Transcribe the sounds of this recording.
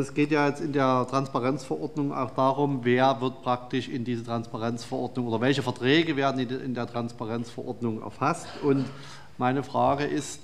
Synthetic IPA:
ɛsɡ̥eːtjaːjɛt͡stɪndeːɐtʁ̥anspaʁɛnt͡sfɐʔɔɐdnʊŋa̰ʊxd̥aːʁʊmveːɐvɪɐt̚pʁ̥ak̚tɪʃɪndiːzətʁ̥anspaʁɛnt͡sfɛɐʔɔɐdnʊŋʔoːdɐvɛlçəfɐtʁ̥ɛːɡəveːɐdn̩ɪɪ̰ndeːɐtʁ̥anspaʁɛnt͡sfɐʔɔ̰ɐdnʊŋɛ̰ɐfastʔʊnt | maɪnəfʁ̥aːɡəʔɪst

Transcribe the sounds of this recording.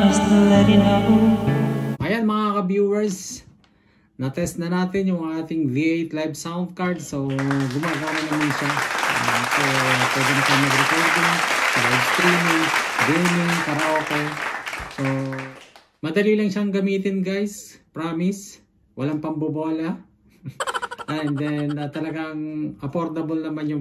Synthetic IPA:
ɐst̪ɐlɐɾɪnako | ʔɐjanmɐŋakɐbjuːwɛɹs | nɐt̪ɛst̪nɐnaːt̪ɪnjʊŋʔaːt̪ɪŋðiʔejt̪lajbsawnd̪̚kaɹd̪soɡʊmaːɡaːmɐnɐmanʃaɐsopwɛːd̪ɛmʃamɐɡɾɪkoɾd̪oŋmɐɡɐɡst̪ɾiːmid̪ɛnʊŋpɐɾɐʔoːkoso | mɐd̪ɐlilɐŋʃaŋɡɐmiːt̪ɪnɡajspɾaːmɪs | wɐlaŋpɐmboboːlɐ | ʔɛnd̪ɛnɐt̪ɐlɐɡaŋɐpoɾt̪ɐbolnɐmanjʊŋ

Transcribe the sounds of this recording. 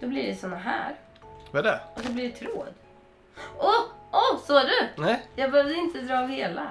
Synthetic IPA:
d̪̥ɔbliɖɛsɔnːaɦæ̰ːɾ | vadɛɔd̪ɔblɪɖɛt̪ʰɾo̰ːd̪ | ɔɔsɔæɖɵnɛjɑːɡbəhøːvd̪əɪnt̪əd̪ɾɑːvheːla

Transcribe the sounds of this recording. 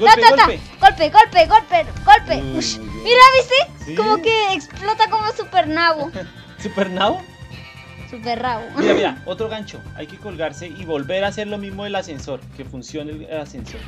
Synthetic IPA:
ɡ̪at̪at̪aɡ̥olpeɣo̞lpeɣolpeɡolpeʃmiɾaβist̪ekomokeːksplot̪ako̞mosupeɾnaβo | supeɾnaβo | superaβoɾamiɾaot̪ɾoɣant͡ʃoa̰jke̞kolɣaɾse̞iβo̞lbe̞ɾase̞ɾlo̞mizmoelasenso̞ɾke̞funsjo̞neelasenso̞ɾ

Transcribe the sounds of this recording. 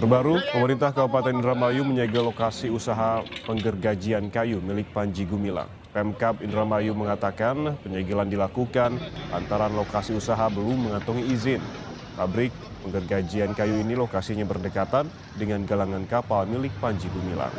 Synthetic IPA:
t̪ərbaɾupəməɾint̪ahkabupat̪anindɾamajuməɲaɡalokasiusaɦapəŋɡərɡad͡ʒiankajumilɪk̚paɲd͡ʒiɡumila̰ŋ | pɛmkapindɾamajuməŋat̪akanpəɲaɡilandilakukana̰nt̪aɾanlokasiusaɦabəlumːəŋat̪uŋiːzɪn | pabɾɪk̚ | pəŋɡərɡad͡ʒiankajuinilokasiɲabərdəkat̪an | dəŋanɡalaŋankapalmilɪk̚paɲd͡ʒiɡumila̰ŋ

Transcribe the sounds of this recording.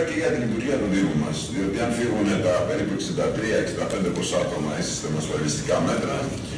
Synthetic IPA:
ceʝɐt̪init̪uɾʝiɐt̪uðimumɐsio̞t̪iɐnfiɣune̞t̪ɐpe̞ɾipue̞ksind̪ɐt̪ɾiɐeksind̪ɐpe̞nd̪epɾosɐt̪o̞mɐisi̥st̪emɐsfɐlist̪i̥kɐme̞t̪ɾɐ

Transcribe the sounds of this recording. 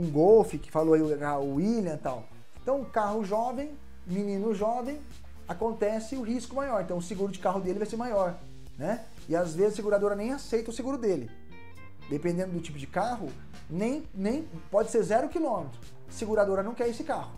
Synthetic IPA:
ũɡowfɪkɪ̥faloaiaʊiljɐ̃t̪a̰w | ẽt̪ɐ̃w̃kaɦʊʒɔvẽj̃ | minĩnʊʒɔvẽj̃ | akõnt̪ɛsɪʊɦiskʊmajɔɾẽt̪ɐ̃w̃ʊseɡuɾʊd͡ʒɪkaɦʊd̪elɪvajseɾmajɔɾ | nɛ | ɪazvezɪzaseɡuɾad̪oɾɐnẽj̃asejt̪ɐʊseɡuɾʊd̪elɪ | d̪epẽnd̪ẽnd̪ʊd̪ʊt͡ʃipʊd͡ʒɪkaɦʊ | nẽj̃nẽj̃ | pɔd͡ʒɪseɾzɛɾʊkilõmet̪ɾʊ | seɡuɾad̪oɾɐnɐ̃w̃kɛɾesɪkahʊ

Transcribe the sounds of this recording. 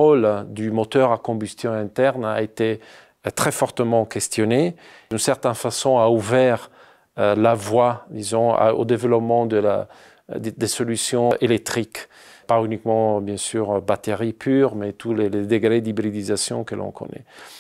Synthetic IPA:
ʁɔld̪ymɔt̪œʁakɔ̃byst̪jɔ̃ɛ̃t̪ɛʁnaet̪e | t̪χɛfɔʁt̪əmɑ̃kɛst̪jɔne | dynsɛʁt̪ɛ̃nfasɔ̃auvɛʁ | lavwad̪izɔ̃a̰o̰d̪evəlɔpmɑ̃d̪əla̰ | d̪ed̪esɔlysjɔ̃ʔelɛk̚t̪χik | paynikmɑ̃bjɛ̃syːʁbat̪eʁipʰyːʁmɛt̪uleled̪eɡʁed̪ibʁid̪izasjɔ̰̃kəlʔɔ̰̃kʰɔ̰nɛ̰

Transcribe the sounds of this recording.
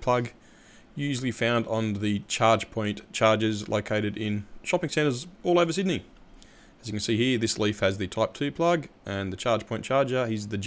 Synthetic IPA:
pʰl̥ʌɡ | jʉʒl̩ˠifãʊ̃ndn̩ðɨt͡ʃʰɑɹd̥d͡ʒ̥pʰɔ̃ɪ̃nt͡ʃʰɑɹd͡ʒɪzlʔə̰ʊkʰeɪɾɨɾɪ̃nʃɑpɪ̃ŋsɛ̃ñtəzɔlˠoʊvə˞s̬ɪdⁿni | ɨzjɨkɨnsihiɹðɪslifhɨzðɨtʰaɪp̚tʰʉpʰl̥ʌɡʔɨ̃nðɨt͡ʃʰɑɹd̥pʰɔ̃ɪ̃nt͡ʃʰɑɹd͡ʒə˞hizðɨd͡ʒ

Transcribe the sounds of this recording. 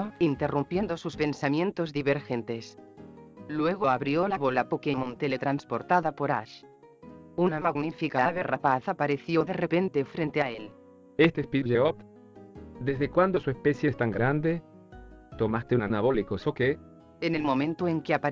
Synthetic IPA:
oint̪e̞rumpje̞nd̪o̞suspe̞nsamje̞nt̪o̞zðiβeɾxe̞nt̪e̞s | lwe̞ɣ̞oaβɾjo̞laβolapokemõnt̪elet̪ɾanspo̞ɾt̪aðapo̞ɾa̰ʃ | unamaɣnifikaaβerapaθapaɾe̞θjo̞ðe̞repe̞nt̪e̞fɾe̞nt̪eael | est̪espiʝeop | d̪ezðekwand̪osuespesjest̪aŋɡɾand̪e | t̪omast̪eunanaβolikosoke | ene̞lmo̞mẽnt̪oeŋkeapa

